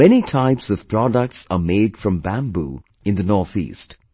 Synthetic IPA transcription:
ɛnitʰaɪpsʌv̥pʰɹ̥ɔdək̚ʈsəmeɪdfɹʌ̃mbæ̃mbṵ | ɨ̃nðənɔɹθḭːst

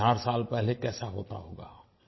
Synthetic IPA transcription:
aːɾsaːlpɛɦlekɛːsaɦoːt̪a̰ɦoːɡa̰ː

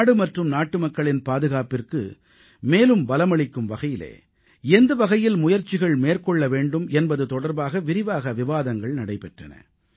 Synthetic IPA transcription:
ɽɯmɐʈrɯmnaːʈːɯmɐkːɐɭɪnpaːðɯɣaːpɪrkɯ̰ | meːlɯmbɐlɐmɐɭɪkːɯmʋɐɣɐjɪlḛː | ɛnd̪ɐʋɐɣɐjɪlmʊjɐɾt͡ʃɪɣɐɭmeːrkɔɭːɐʋeːɳɖɯmɛnbɐðɯt̪ɔɽɐɾbaːɣɐʋɪɾɪʋaːɣɐʋɪʋaːðɐŋɡɐɭnɐɽɐɪpɛʈrɐ̰nɐ̰

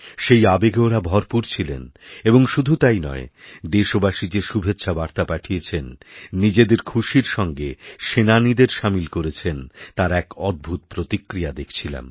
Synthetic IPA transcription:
ʃejabeɡeoɾabʱɔɾpuɾt͡ɕʰilḛneboŋʃud̪ʱut̪ajnɔ̰ed̪eʃobaʃid͡ʑeʃubʱetːɕʰʃʰabaɾt̪apaʈʰijet͡ɕʰenːid͡ʑed̪eɾkʰuʃiɾʃɔŋɡeʃenanid̪eɾʃamilkoɾet͡ɕʰent̪aɾɛkɔd̪̚bʱut̪̚pɾot̪ikːɾijad̪ekʰt͡ɕʰila̰m

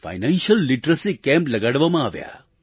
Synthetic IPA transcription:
fa̰jnanʃəlːiʈɾəsikɛ̃mpləɡaɽʋamãaʋja̰

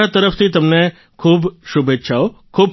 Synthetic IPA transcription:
at̪əɾəft̪ʰit̪əmne | kʰubʃubetːʃʰaokʰub

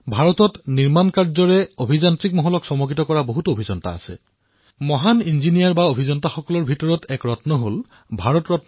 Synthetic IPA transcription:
bʱaɹɔtɔtniɹmankaɹzɔɹɛobʱizantɹik̚mɔɦɔlɔksɔmoɡɹitɔkɔɹaboɦutuobʱizɔnta̰ːsɛ̰ | mɔɦaninzinijaɹbaobʱizɔntaxɔkɔlɔɹbʱitɔɹɔtɛkɹɔtnɔɦol | bʱaɹɔtɹɔt

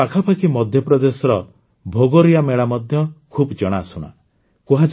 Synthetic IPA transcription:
akʰapʰakimɔd̪ʱjɔpɾɔd̪esɔɾɔ | bʱoɡoɾijameɭamɔd̪ʱjɔkʰubd͡ʒɔɽ̃asuɽ̃a̰ | kuɦad͡ʒ

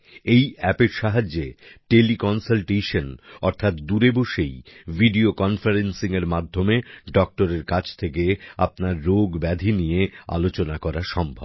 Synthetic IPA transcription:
ejɛpeɾʃaɦad͡ʑːeʈelikɔnsalʈejʃonɔɾt̪ʰat̪d̪uɾeboʃejvʱiɖiokɔnfaɾensiŋeɾmad̪ʱːomeɖɔk̚ʈoɾeɾkat͡ɕʰt̪ʰekea̰p̚naɾːoɡbɛd̪ʱinijea̰lot͡ɕonakɔɾaʃɔmbʱɔb

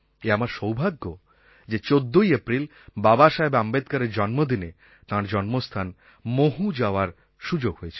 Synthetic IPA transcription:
eamaɾʃowbʱaɡːo | d͡ʑet͡ɕod̪ːojepɾil | babaʃaebambed̪kaɾeɾd͡ʑɔnmod̪ine | t̪ãɾd͡ʑɔnmost̪ʰan | moɦud͡ʑaoaɾ | ʃud͡ʑoɡɦojet͡ɕʰe̥

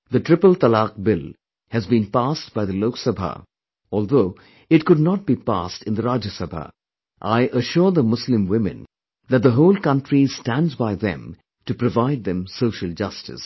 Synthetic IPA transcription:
ðɨtɹ̥ɪpəlt̪əlɑk̚bɪl | hɨzbĩnpast̚b̥aɪðəloʊksəbʱa̰ | ɔːlˠðoʊ | ɪt̚kʊdⁿnɑt̚b̥ipæ̰stɨ̃nðəɾad͡ʒəsəbʱa̰ | ʔaɪʔəʃʊɹðəmʊslɪ̃mwɪ̃mɨ̰̃n | ðæt̪̚d̪əɦoʊlkʌ̃ntɹistæ̃ndzbaɪðɛ̰̃m | tɨpɾɨvaɪd̪̚ðɨ̃msoʊʃəl̩ˠd͡ʒʌstɨ̰s

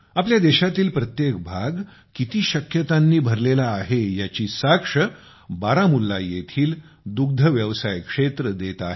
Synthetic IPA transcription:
apljad̪eɕat̪iːlpɾət̪jek̚bʱaɡ | kit̪iːɕəkjət̪anːiːbʱəɾlelaːɦejat͡ɕiːsakʂə | baɾamulːajet̪ʰiːl | d̪uɡ̚d̪ʱəʋjəʋsajkʂet̪ɾəd̪et̪a̰ɦe

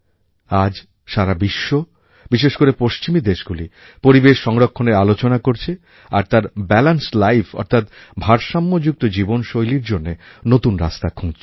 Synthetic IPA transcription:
ad͡ʑ | ʃaɾabiʃːo | b̥iʃeʃkoɾepoʃt͡ɕimid̪eʃɡuli | poɾibeʃːɔŋɾokʰːoneɾalot͡ɕonakoɾt͡ɕʰe | aɾt̪aɾbɛlanslajfʰɔ̰ɾt̪ʰat̪bʱaɾʃamːod͡ʑuk̚t̪od͡ʑibonʃojliɾd͡ʑonːenot̪unɾa̰st̪akʰũŋt͡ɕʰ

